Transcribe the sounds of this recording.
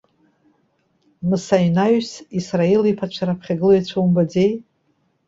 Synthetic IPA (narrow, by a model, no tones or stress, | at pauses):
mɨsajnaɥsisraelipʰat͡ʃʷʰaɾapʰχʲaɡɨlojat͡ɕʷʰowmbad͡zej